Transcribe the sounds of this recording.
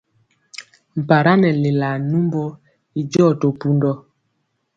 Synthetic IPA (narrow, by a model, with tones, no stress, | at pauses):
m̩˨pa˨ɾa˦nɛ˨le˨la˨nu˦mbo˦ | i˨d͡ʒɔ˦˨to˨pu˦ndɔ˦